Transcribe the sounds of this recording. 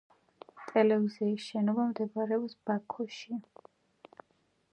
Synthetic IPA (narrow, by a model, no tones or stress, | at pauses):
t̪ʼɛlɛviziːsʃɛnɔbamd̪ɛbɾɛɔpsb̥akʰɔʃi